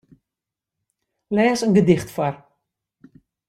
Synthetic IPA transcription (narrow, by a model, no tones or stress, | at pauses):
lɛːsənɡədɪχtfar